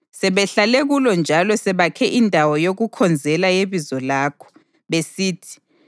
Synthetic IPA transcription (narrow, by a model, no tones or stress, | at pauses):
sɛβɛɬaleɣulɔnd͡ʒʱalɔsɛβakʰɛʔindʱawɔjoɣukʰɔnd͡zʱɛlajeβizɔlaːkʰɔ̥ | βesiːtʰi̥